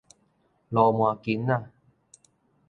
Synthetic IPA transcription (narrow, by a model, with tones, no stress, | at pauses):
lɔː˧˩mwaː˨˧ki˨˦nːa˧˨